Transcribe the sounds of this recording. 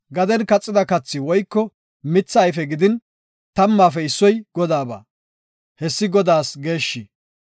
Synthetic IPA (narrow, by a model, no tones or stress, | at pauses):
ɡɐd̪ɛnkɐt͡sʼːɪd̪ɐkɐt͡sːɪwɔjkːɔ | mɪt͡sːɐːjfɛɡɪd̪ɪn | t̪ɐmːaːfɛɪsːɔjɡ̥ɔd̪aːba̰ː | hɛsːɪɡɔd̪aːsɡe̞ːʃːi